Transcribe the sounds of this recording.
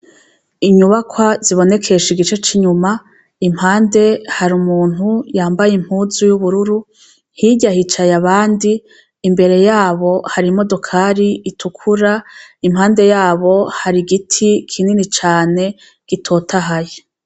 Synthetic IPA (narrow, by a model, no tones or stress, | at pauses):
iɲuβakʰwaziβo̞ne̞kʰe̞ʃiɡit͡ʃe̞t͡ʃiɲuma | im̥haːnde̞haɾumuːn̥ujaːmbajim̥huzujuβuɾuɾu | hiːɟahit͡ʃajaβaːndiː | mbe̞ɾe̞jaːβo̞haɾimo̞do̞kʰaːɾiitʰukʰuɾaimhaːnde̞jaːβo̞haɾiɡitʰikʰininit͡ʃaːne̞ | ɡ̥itʰo̞ːtʰaɦaje